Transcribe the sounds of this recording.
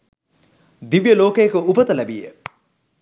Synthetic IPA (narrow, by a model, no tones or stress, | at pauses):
d̪iʋjəloːkəjekəupɐt̪ɐlæbijḛ